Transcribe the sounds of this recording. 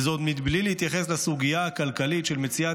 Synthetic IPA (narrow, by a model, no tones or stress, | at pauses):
zot̪mid̪blilehit̪jaχeslasuɡijaakalkalit̪ʃelmet͡sia